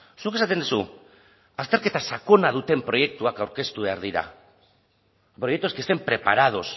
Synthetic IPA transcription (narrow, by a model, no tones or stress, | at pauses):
suke̞sat̪̬end̪usu | ast̪e̞ɾke̞t̪asako̞nað̞ut̪e̞mpɾo̞je̞k̚t̪uakawɾke̞st̪uβe̞aɾðiɾa̰ | pɾo̞jet̪o̞skest̪e̞mpɾe̞pa̰ɾað̞o̞s